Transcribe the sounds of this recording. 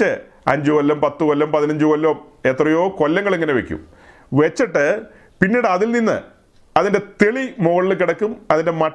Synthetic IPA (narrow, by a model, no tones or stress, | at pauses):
ɨ | ɐɲd͡ʑɨʋɐlːɐmpɐt̪ːɨʋɐlːɐmpɐðinɐɲd͡ʑɨʋɐlːoːmeːt̪rɐjo̞ːko̞lːɐŋːɐɭeŋːɐne̞ʋe̞kʲːṵm | ʋet͡ɕːiʈːɨ | pinːiːɽɨɐðilninːɨ̰ | ɐðinde̞t̪eɭimoːɐɭilkiɽɐkːumɐðinde̞mɐ